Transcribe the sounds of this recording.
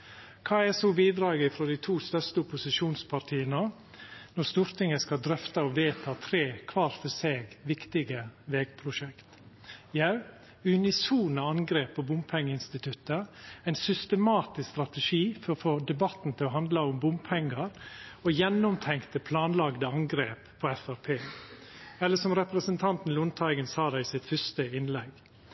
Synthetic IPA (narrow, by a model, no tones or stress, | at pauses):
kʰɑːɛsɔbiːd̪ɾɑːɡɪfɾɔd̪æɪt̪ʰuːst̪œst̪əʊpʊsɪʂuːnspʰɑɾʈ̪ʰiːənə | nɔɾst̪uːɾt̪ɪŋəskɑld̪ɾœft̪əɔʋeːt̪ʰɑːt̪ʰɾeːkʰʋɑːɾfɔseːɡʋɪkt̪ɪɡəʋɛːɡ̥̚pʰɾʊʂɛkt̪ | jɑʉ | ʉnɪsuːnəɑŋɡɾeːpobʊmpʰɛŋːəɪnst̪ɪt̪ʰʉt̪ːəæɪnsʏst̪əmɑːt̪ɪsst̪ɾɑt̪əʂiːfɔɾɔfoːd̪ɛbɑt̪n̩t̪ʰɪlɔɦɑnd̪ləʊmbʊmpʰɛŋːəɾojɛnːʊmt̪ʰɛŋkt̪əpʰlɑːnlɑɡd̪əɑŋɡɾeːppʰːɔːɛfæɾpʰeː | ɛlːəʂɔmɾɛpɾəsənt̪ʰɑnt̪n̩lʊnt̪ʰɑɪɡənsɑːd̪æɪɪsɪt̪fʏʂt̪əɪnlɛɡ